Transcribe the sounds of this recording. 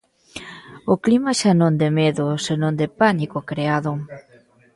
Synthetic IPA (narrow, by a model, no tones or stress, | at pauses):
oklimaʃanõnd̪emeðʊsenõnd̪epanikokɾeaðʊ